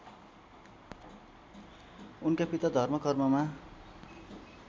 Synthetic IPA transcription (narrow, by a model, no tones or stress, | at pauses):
unkapit̪ad̪ʱʌrmʌkʌrmʌma